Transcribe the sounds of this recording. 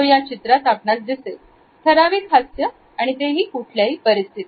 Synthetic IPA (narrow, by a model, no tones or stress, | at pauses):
jat͡ɕit̪ɾat̪apɳasd̪ise | t̪ʰəɾaʋiːkʰasjə | aɽ̃it̪eɦiːkuʈʰljaiːpəɾist̪ʰit̪i